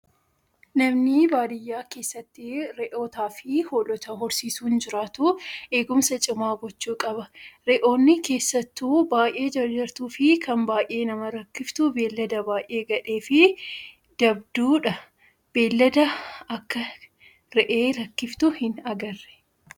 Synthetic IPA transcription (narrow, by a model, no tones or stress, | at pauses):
nɐmnɪbaːd̪ɪjːaːke̞ːsːɐt̪ːɪɾɛʔo̞ːt̪aːfɪhoːlɔt̪ɐɦʊɾsiːsuːnd͡ʒɪɾaːt̪ʊe̞ːɡʊmsɐt͡ʃʼɪmaːɡɔt͡ʃːuːkʼɐbɐɾɛʔo̞ːnːɪke̞ːsːɐt̪ːuːbaːʔe̞ːd͡ʒɐɾd͡ʒɐɾt̪uːfɪkʰɐnbaːʔe̞ːnɐmɐɾɐkːɪft̪ʊbe̞ːlːɐd̪ɐbaːʔʔe̞ːɡɐᶑe̞ːfɪ | d̪̥ɐb̚d̪uːᶑɐ | b̥e̞ːlːɐd̪ɐɐkːɐ | ɾɛʔe̞ːɾɐkːɪft̪ʊhɪnɐɡɐrːɛ̥